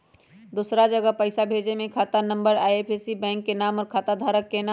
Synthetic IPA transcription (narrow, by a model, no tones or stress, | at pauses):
d̪uːsɾad͡ʒəɡəpəɪsabʱeːd͡ʒemẽkʰaːt̪anə̃mbəɾaːjeːpʰesibɛ̃ːŋkːenaːmɔːɾkʰaːt̪ad̪ʱaːɾəkːena